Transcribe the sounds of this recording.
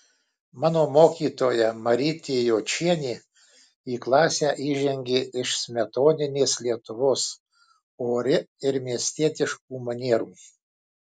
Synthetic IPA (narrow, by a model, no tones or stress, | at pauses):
mɑːnoːmoːkʲiːt̪oːjɛmɐɾʲɪt̪ʲeːjoːt͡ʃʲiɛnʲiː | iːklˠɑːsʲæːʔiːʒʲɛŋʲɡʲeɪʃsʲmʲɛt̪oːnʲɪnʲeːslʲiɛt̪ʊʋoːs | oːɾʲɪɪɾmʲiɛsʲt̪ʲiɛt̪ʲɪʃk̚uːmɐnʲiɛɾuː